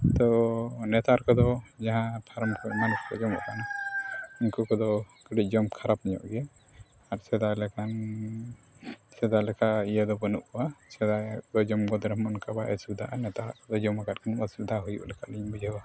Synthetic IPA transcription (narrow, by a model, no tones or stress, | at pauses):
t̪ɔnɛt̪aɾkɔd̪ɔd͡ʒaɦãpʰaɾɔmkɔmanuskɔ̰d͡ʒɔmɔ̰kʰanɔ | iɲkukɔd̪ɔ | kəɽic̚ˀd͡ʒɔmkʰaɾapniɲɔ̰ʔɡɛ | aɾsɛd̪alɛkan | sɛd̪alɛkʰaijəd̪ɔbənuʔkɔwasɛd̪ad̪ɔd͡ʒɔmɡɔd̪ɾɛmɔnkabaʔɛsud̪ʱaʔanɛt̪aɾa̰ʔkɔd̪ɔd͡ʒɔmakat̚kʰanəsud̪ʱaɦujṵʔlɛkʰaʔliɲbud͡ʒʱəwa